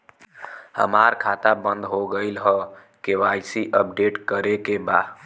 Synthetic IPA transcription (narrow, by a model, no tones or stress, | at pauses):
hə̰maɾkʰat̪abənd̪ɦoɡəɪlɦə | keʋajsiʔəp̚ɖeʈkəɾekeba